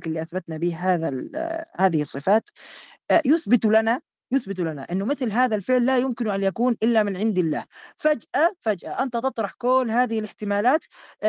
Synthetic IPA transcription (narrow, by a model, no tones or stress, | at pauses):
kɪlːiʔaθbat̪nabiːhɦaːðahaːðɪhɨsˤːɨfaːt̪ | jʊθbɪt̪ulana | jʊθbɪt̪̬ulana̰ʔɪnːʊmɪθlɦaːðalfɪʕlːaːjʊmkɪnʔanjakuːnʔɪlːamɪnʕɪnd̪ɪlːa̰ːhfad͡ʒʔafad͡ʒʔaʔant̪at̪ɨt̪ˤɾˤɑħkoːlɦaːðɪhɪlɪħt̪ɪmaːlaːt̪